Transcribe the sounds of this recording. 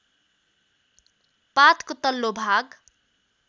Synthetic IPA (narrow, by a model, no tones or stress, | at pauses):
pat̪kot̪ʌlːobʱaɡ